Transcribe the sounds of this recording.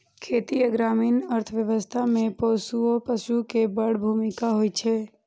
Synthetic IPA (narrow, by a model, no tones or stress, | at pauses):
kʰeːt̪iəɡɾaːmiːnəɾt̪ʰəʋjəʋəst̪ʰamẽposuopəʃukebəɽ̤bʱumikaɦojt͡ʃʰe